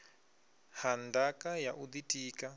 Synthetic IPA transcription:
handakajaʔud̪itʼiːka

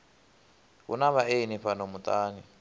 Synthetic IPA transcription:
ɣṵnaβaʔeniɸanomut̪ʼaːni

